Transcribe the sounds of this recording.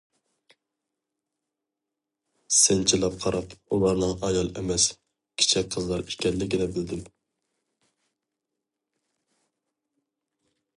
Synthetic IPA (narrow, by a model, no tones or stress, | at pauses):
sɪnt͡ʃʰilˠɑp̚qʰɑɾɑpulˠɑɾnɨŋʔɑjɑlˠɛmɛs | kʲʰi̥t͡ʃʰɛk̚ʲqʰəzlˠɑɾi̥ʃkʲɛlːɪkʲɪd̪ɛbɪld̪ɪm